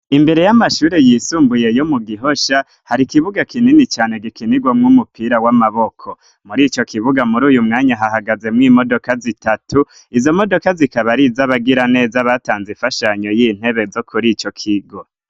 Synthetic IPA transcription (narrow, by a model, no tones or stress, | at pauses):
imbe̞ɾe̞jamaʃuːɾe̞jiːsuːmbuje̞jomuɡiɦo̞ʃa | haɾikiβuɡakininit͡ʃaːne̞ɡikiniɡwamŋumupiːɾawamaβo̞kʰo | muɾiːt͡ʃo̞kʰiβuɡamuɾuːjumŋaːɲaɦaɦaɡaze̞mŋiːmodo̞kazitatu | izo̞mo̞do̞kazikaβaɾizaβaɡiɾane̞ːzaβataːnziɱfaʃaɲo̞jin̥he̞βe̞zo̞kʰuɾit͡ʃo̞kʰiɡo̞